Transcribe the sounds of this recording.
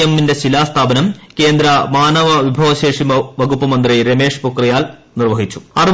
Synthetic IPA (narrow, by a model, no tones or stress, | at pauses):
emːinde̞ɕilaːst̪ʰaːbɐnɐmke̞ːnd̪ɾɐmaːnɐʋɐʋibʱɐʋɐɕeːʂimɐʋɐɣupːɐmɐnd̪riɾeme̞ːʂpukrijaːl | nirʋɐɦit͡ɕːu̥ɐr